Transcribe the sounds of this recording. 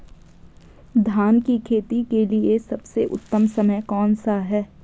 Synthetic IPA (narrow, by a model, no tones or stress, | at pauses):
d̪ʱaːnkikʰeːt̪ikeliesɐbseʔʊ̰t̪ːəmsɐməjkɔːnsaɦɛː